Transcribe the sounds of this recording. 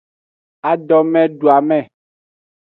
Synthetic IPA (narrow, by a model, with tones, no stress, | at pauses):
a˨ɖɔ˨mɛ̃˦ɖu˨a˨mɛ̃˦˨